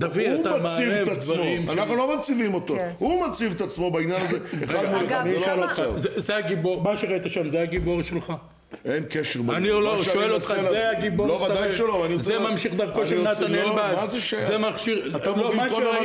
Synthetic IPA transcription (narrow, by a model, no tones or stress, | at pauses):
d̪aviutamamsivt̪at͡smomanaχnulomat͡sivimo̞t̪ohumat͡sivet̪at͡smo̞bainjanazeeχad̪muleamilalat͡sazezeaɡiboʁmaʃeʁait̪aʃamzeaɡibo̞ʁʃelχa | enkeʃeʁbaanioloʃʃoelot̪χaneaɡibolovaddajjʃeloanisemamʃiχd̪ɐʁkoʃenaaebamazeʃzemaχʃiʁat̪am